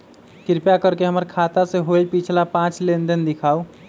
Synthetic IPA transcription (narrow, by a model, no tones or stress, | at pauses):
kɪɾpjakəɾkeɦəməɾkʰat̪aseɦolpit͡ʃʰlapãt͡ʃlend̪ənd̪ɪkʰaːu